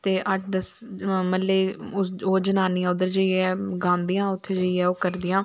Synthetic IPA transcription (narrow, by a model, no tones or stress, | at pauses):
t̪eːʔəʈʰd̪əsməlːeːʊoːd͡ʒənaːniːãːʊd̪əɾd͡ʒəːiɛːɡãːnd̪ijãːʊt̪ʰːeːd͡ʒəiːɛːoːkəɾd̪ijãː